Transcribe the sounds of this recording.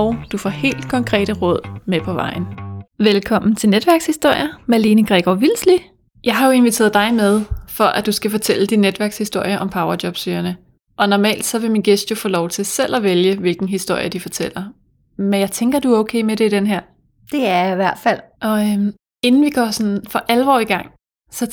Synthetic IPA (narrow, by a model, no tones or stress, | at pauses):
ɒʊd̥ufɒ̰he̝̰ːld̥kʰɒ̽ŋkʰʁɛ̰ːɾ̥əʁɔ̽ð̰ˠmepʰɒ̽ʋɑ̈ɪ̰n̩ʋelkʰɒ̽m̰n̩t͡sʰe̝lned̥ʋæɐɡ̥shisd̥o̝ɐ̰jɐmæliːnəɡ̥ʁɛɡ̥ɒʋilsli | jɑ̈ɪɦɑ̈jo̝e̝nʋit͡sʰe̝̰ːɐðˠd̥ɑ̈ɪmeðˠfɒ̽ʔæd̥usɡ̥æfɒ̽t͡sʰel̰əd̥inːed̥ʋæɐɡ̥shisd̥o̝ɐ̰jɐʔɒ̽mpʰɑ̈ʊɐd̥jɒ̽b̥syːɐnə | ʔɒ̽nɒmɛ̰ːld̥sɒ̽ʋe̝minɡ̥esd̥jo̝fɔ̰ːlɒʊt͡sʰe̝lsel̰æʋeljəʋe̝lɡ̥n̩ɦisd̥o̝ɐ̰jɐd̥ifɒ̽t͡sʰel̰ɐ | menjɑ̈ɪt͡sʰeŋɡ̥ɐd̥uæɐɔʊkʰḛːmeɾ̥e̝id̥enɦæɐ̰ | d̥e̝æɐjiʋæɐ̰d̥fæl̰ʔɒ̽øm | e̝nn̩ʋiɡ̥ɒːsɒnfɒ̽ʔælʋɒ̰ːiɡ̥ɑ̈ŋ̰ | sɒ̽